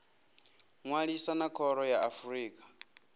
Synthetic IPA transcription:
ŋwaɺisanakʰɔɾɔjaʔafuriːkʼḁ

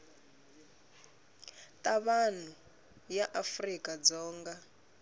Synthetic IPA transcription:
tʼaβan̤u | jaʔafrikʼad͡zɔːŋɡa

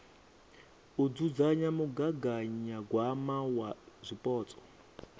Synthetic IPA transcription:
ud͡zud͡zaɲamuɡaɡaɲaɡwamawazʷipʼɔːt͡sʼɔ̥

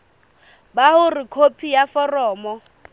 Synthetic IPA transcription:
bahʊrikʰopʰijafɔrɔːmɔ

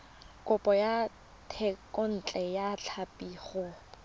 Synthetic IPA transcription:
kʼʊpʼɔja | tʰɛkʼʊn̩t͡ɬʼɛjat͡ɬʰapʼiːχɔ

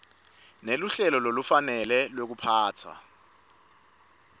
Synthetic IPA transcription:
neluɬɛlɔlolufanɛlɛlwek̬upʰaːt͡sʰwa̰

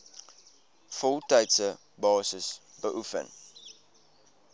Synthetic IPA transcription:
fɔlˠtɛjtsə | bɑːsəs | bəʔufə̰n

